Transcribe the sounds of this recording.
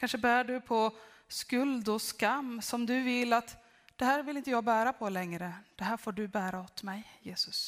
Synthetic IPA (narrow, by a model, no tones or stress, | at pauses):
kʰanʂəbæːɖɵpʰɔ | skɵld̪ɔskamːsɔmd̪ɵvɪlːat̪ | d̪̥ɛhæːɾvɪlɪnt̪̬əjɑːɡbæːɾapʰɔlɛŋɾəd̪̥ɛɦæːɾfoːɖɵbæːɾaɔt̪mɛjjeːsɵs